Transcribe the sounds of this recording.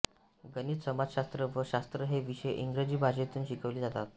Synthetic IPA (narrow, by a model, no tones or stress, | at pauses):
ɡəniːt̪səmad͡zɕast̪ɾəʋəɕast̪ɾəɦeʋiɕjʔiŋɡɾed͡ʑiːbʱaɕet̪uːnɕikʰəʋliːd͡zat̪at̪̚